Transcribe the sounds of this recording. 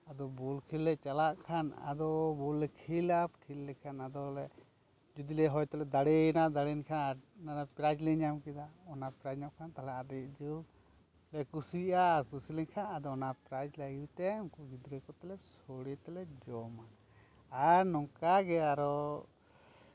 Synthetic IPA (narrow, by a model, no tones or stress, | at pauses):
ad̪ɔbulkʰilːɛt͡ʃalaʔkʰana̰d̪ɔbulːɛkʰilapkʰilːɛkʰanad̪ɔlɛ | d͡ʒud̪ilɛɦɔjt̪ɛlɛd̪aɽɛnaʔd̪aɽɛnkʰanaɾnaɾapɾad͡ʒlɛɲamkid̪aɔnapɾad͡ʒnɔʔkʰant̪alɛad̪ɛʔd͡ʒu | lɛkusiʔaːɾkusilɛɲkʰanad̪ɔɔnapɾad͡ʒlaɡiwt̪ɛmkuɡid̪ɾəkɔt̪ɛlɛsoɽɛt̪ɛlɛd͡ʒɔmaː | ɾnɔŋkaɡɛaɾɔ